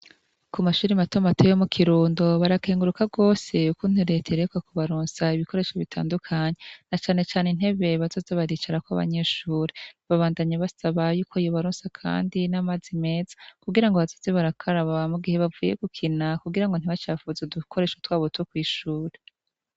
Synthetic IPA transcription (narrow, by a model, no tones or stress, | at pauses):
kumaʃuːɾimatomatojomukʰiɾuːndo̞βaɾake̞ːŋɡuɾukaɡo̞ːse̞ukun̥uɾe̞tʰeɾekwakuβaɾuːnsaiβiko̞ɾe̞ːʃoβitʰa̰ːndukʰaɲe̞nat͡ʃaːne̞t͡ʃaːnen̥he̞βe̞βazo̞zeβaɾiːt͡ʃaɾakwa̰βa̰ɲe̞ːʃuːɾeβaβaːndaɲaβasaβajuːkʰo̞ijoβaɾuːnsakʰa̰ːndinamazime̞ːzḁkuɡiɾaŋɡo̞βazoze̞βaɾakʰaɾaβamuɡihe̞βavuːje̞ɡ̥ukʰinakuɡiɾaŋɡo̞n̥iβat͡ʃaːfuzedukʰo̞ɾe̞ːʃutwaːβotwokwiːʃuːɾe